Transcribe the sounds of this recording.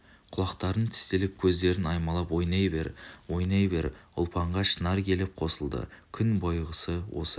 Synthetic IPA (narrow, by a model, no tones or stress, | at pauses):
qʰʊlˠɑqt̪ɑɾənt̪ʰɪ̥st̪e̞lep̚kʲʰɵzd̪e̞ɾɪnɑjmɑlˠɑpwo̞jnɑjbe̞ɾwo̞jnɑjbe̞ɾʊ̰lˠpʰɑɴʁɑʃənɑɾkʲʰe̞lep̚qʰo̞səlˠd̪ə̰kʲʰʏnbojʁəsəwo̞̰sə